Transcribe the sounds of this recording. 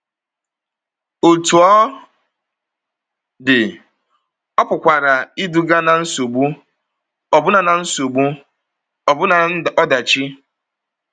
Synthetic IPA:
o˨tu˨ɔ˦ | dɪ˨ | ɔ˦pʊ˨kʷa˨ɾa˨i˦du˨ɡa˦na˨n̩˦so˨ɡ͡bu˦ | ɔ˨bʊ˦na˨na˨n̩˦so˨ɡ͡bu˦ | ɔ˨bʊ˦na˨˦˨ɔ˦da˨t͡ʃɪ˦

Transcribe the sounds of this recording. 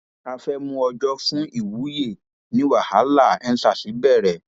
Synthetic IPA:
a˧fɛ˦mũ˧ɔ˧d͡ʒɔ˦fũ˦i˦˨wu˨˦je˦˨ | nĩ˨˦wa˦˨ha˨˦la˦˨ɛ˧n̩˦sa˦˨si˨˦bɛ˦˨ɾɛ˨

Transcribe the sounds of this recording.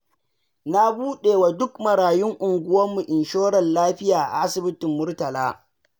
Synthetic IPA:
na˦buː˦ɗeː˨wa˨dʊ˦kmɐ˨ɽaː˨jʊ˦ŋʔʊ˨ŋɡʷʊ˦wɐ˦mːu˨ʔɪ˨nʃoː˦ɽɐ˨nlaː˦ɸɪ˦jaː˨a̰˨ʔa˦sɪ˨bɪ˦tɪ˨mːʊ˦rtɐ˨laː˦

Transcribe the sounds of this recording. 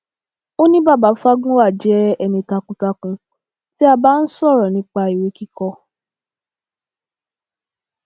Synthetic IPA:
o˦nĩ˦ba˦˨ba˨˦fa˦ɡũ˦wa˦˨d͡ʒɛ˨˦ɛ˧nĩ˧ta˧kũ˧ta˧kũ˧ | ti˦a˧ba˦n̩˦sɔ˦˨ɾɔ˨nĩ˧˦k͡pa˧i˨we˨˦ki˦kɔ˧

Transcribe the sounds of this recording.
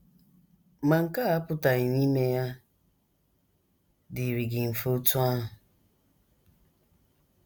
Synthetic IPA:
ma˨ŋ̩˨ka˦a˦pʊ˦ta˨ɪ˨ni˦me˦ja˦ | dɪ˨ɾi˨ɡɪ˨m̩˨fo˦tu˦a˦ɦʊ˨

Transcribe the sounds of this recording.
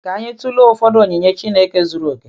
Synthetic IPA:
ka˨˦ɲe˦tu˦lo˦ʊ˦fɔ˦do˨ɲe˨ɲe˦t͡ʃi˦ne˦ke˦zu˦ɾu˨˦o˨ke˨˦

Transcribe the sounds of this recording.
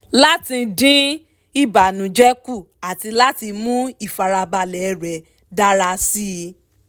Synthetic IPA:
la˦tĩ˧dĩ˦ | i˦˨ba˨nũ˨d͡ʒɛ˦ku˦˨ | a˨ti˧la˦ti˧mũ˦i˦˨fa˨ɾa˧ba˧lɛ˨˦ɾɛ˨ | da˦ɾa˧si˦˧

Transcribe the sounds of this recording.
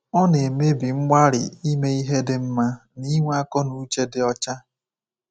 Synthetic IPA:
ɔ˦ne˨me˦bi˨ŋ͡m̩˦ɡ͡ba˦ɾɪ̰˨i˦me˦i˦ɦe˦dɪ˦m̩˦ma˦ni˦ŋʷ˦a˦kɔ˦nu˦t͡ʃe˦dɪ˨ɔ˦t͡ʃa˦

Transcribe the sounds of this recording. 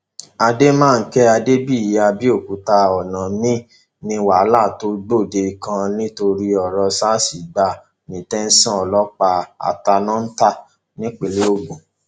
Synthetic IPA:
a˧de˦mãː˦˨˧kɛ˦a˧de˦bi˦˨i˨ja˧bi˦o˦˨ku˨ta˧ɔ˨nã˨mĩ˦ | nĩ˧˦wa˨˦la˦˨to˨˦ɡ͡bo˦˨de˧˨kã˧nĩ˦to˧ɾi˦ɔ˨ɾɔ˧sa˦si˨ɡ͡ba˧ | nĩ˨tɛ˦n̩˦sã˦˨ɔ˨lɔ˦k͡pa˧a̰˨ta˧nã˦n̩˦ta˦˨ | nĩ˦k͡pe˨le˦o˦ɡ͡bũ˨

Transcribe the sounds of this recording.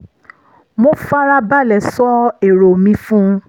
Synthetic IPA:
mo˦fa˦ɾa˦ba˦˨lɛ˨sɔ˦e˨ɾo˨mĩ˧fũ˦˧

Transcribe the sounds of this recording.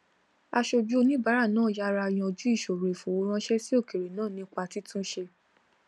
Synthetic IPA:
a˧ʃo˧d͡ʒu˦nĩ˦ba˨˦ɾa˦˨nãː˦˨ja˦ɾa˧j̃ɔ̃˧˨d͡ʒu˨˦i˦˨ʃo˨ɾe˨fõ˨wo˦ɾ̃ã˦ʃɛ˦si˦o˦˨ke˨ɾe˨nãː˦˨nĩ˧˦k͡pa˧ti˨˦tũ˦ʃe˧

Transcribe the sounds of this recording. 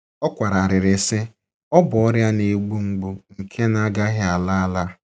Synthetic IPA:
ɔ˦kʷa˨ɾa˨ɾɪ˨ɾɪ˨sɪ˦ | ɔ˦bɔ˦ɾja˦ne˨˦ɡ͡bu˦ŋ͡m̩˦ɡ͡bu˦ŋ̩˨kʰe˦na˦ɡa˦ɦɪ˦a˨la˦a˦la˦

